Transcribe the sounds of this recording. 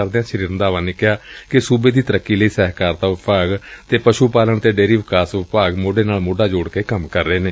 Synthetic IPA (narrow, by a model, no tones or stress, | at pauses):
əɾd̪eãːʃəɾiːɾənd̪aːʋanekɪjaːkɪsuːbeːd̪iːt̪əɾəkːiːləiːsɛːɦkaːɾt̪aːʋɪpaːɡt̪eːpəʃuːpaːləɳt̪eːɖeːɾiːʋɪkaːsʋɪpaːɡmoːɖeːnaːlmoːɖaːd͡ʒoːɽkeːkəmkəɾːeːneː